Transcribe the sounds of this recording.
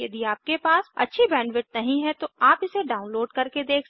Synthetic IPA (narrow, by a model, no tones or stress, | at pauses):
jɐd̪iaːp̚kepaːsɐ̰tːʃʰibɛ̃ːɳɖʋɪʈ̚nɐɦĩɦɛt̪oaːpɪseɖaːʊ̃nloːɖkɐɾked̪eːk